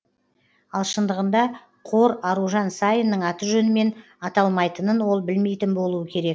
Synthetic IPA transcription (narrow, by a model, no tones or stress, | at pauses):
ɑlˠʃənd̪əʁənd̪ɑ | qʰo̞ɾɑɾuʒɑnsɑjənːəɴɑt̪əʒɵnɪme̞n | ɑt̪ɑlˠmɑjt̪ənənwo̞lˠbɪlme̞jt̪ɪnbo̞lˠuəkʲʰe̞ɾe̞k̚